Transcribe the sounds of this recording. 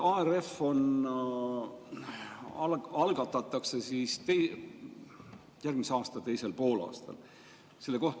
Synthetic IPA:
ɑere̞fo̞n | ɑɑlɡ̥ɑt̪ːˑɑt̪ːˑɑkse̞sist̪ej | jærɡ̥miseɑːst̪ɑt̪e̞jse̞lpo̞ːlɑ̰ːst̪ɑ̰l | se̞lːeko̞ht̪

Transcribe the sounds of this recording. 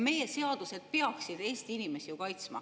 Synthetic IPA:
me̞je̞se̞ɑd̪̥use̞d̪̥̚pe̞ɑksid̪e̞ːst̪iinime̞sijukɑjt̪smɑ̰

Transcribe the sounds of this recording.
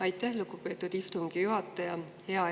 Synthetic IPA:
ɑjt̪ːˑæhlukupe̞ːt̪ːˑud̪̥ist̪umɡ̥ijuɦɑt̪ːˑɑjɑ | he̞ɑ

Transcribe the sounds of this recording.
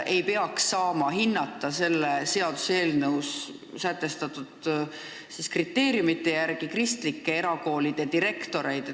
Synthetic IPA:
ʔe̞jpe̞ɑksːɑːmɑɦinːɑt̪ːˑɑse̞lːese̞ɑd̪̥use̞ːlnɤws | sæt̪ˑːe̞st̪ɑt̪ːˑud̪̥ | siskrit̪ːe̞ːɾjumit̪ːˑe̞jærɡ̥ikrist̪likːe̞e̞ɾɑɡo̞ːlid̪̥ed̪iɾe̞kt̪o̞ɾe̞jd̪̥

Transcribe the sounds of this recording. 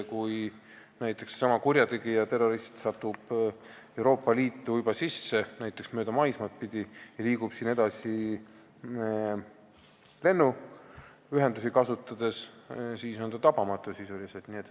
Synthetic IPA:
kuj | næjt̪ːˑe̞ksːɑmɑkurʲjɑt̪eɡijɑt̪e̞rːo̞ɾist̪sɑt̪ːub̥ | e̞wɾo̞ːpˑːɑliːt̪ːujybɑsisːe̞næjt̪ːˑe̞ksmøːd̪̥ɑmɑjsmɑt̪̚pid̪̥ijɑliːɡ̥ub̥siːne̞d̪̥ɑsi | le̞nːu | yɦe̞nd̪usikɑsut̪ːˑɑd̪̥e̞ssiːso̞nd̪ɑt̪ɑpɑmɑt̪ːˑusisulised̪niet̪ː

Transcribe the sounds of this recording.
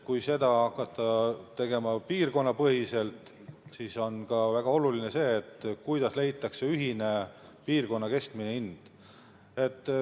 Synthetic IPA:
kujse̞d̪ɑɑkːˑɑt̪ːˑɑt̪e̞ɡ̥e̞mɑpiːrko̞nːɑpɤɦise̞lt̪ˑ | siso̞nkɑvæɡ̥ɑo̞lulinese̞ːt̪ːkujd̪̥ɑsle̞jt̪ːˑɑkse̞yɦine̞piːrko̞nːɑke̞st̪mineind̪̥ | e̞t̪ːˑ

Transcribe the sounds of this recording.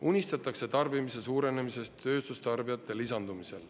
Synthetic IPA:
unʲist̪ɑt̪ːˑɑkse̞t̪ɑrbimise̞suːɾe̞nemise̞st̪ːø̞ːst̪ust̪ɑrbijɑt̪ːˑe̞lisɑnd̪̥umise̞̰l

